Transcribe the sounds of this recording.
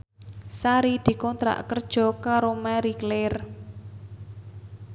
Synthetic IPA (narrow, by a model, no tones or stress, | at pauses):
saɾid̪̥i̤kɔnt̪ɾa̰ʔkərd̥ʒ̥ɔ̤kaɾomaɾikler